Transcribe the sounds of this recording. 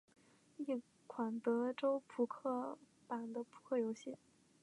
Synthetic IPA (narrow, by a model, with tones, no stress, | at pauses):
i˥˩ | kʰwa˨˩nt̪ɤ˧˥ʈ͡ʂo˥ʊpʰu˨˩kʰɤ˥˩ | pa˨˩nd̪ə˦pʰu̥˧˩kʰɤ˥˩jo˧˥ʊɕi˥˩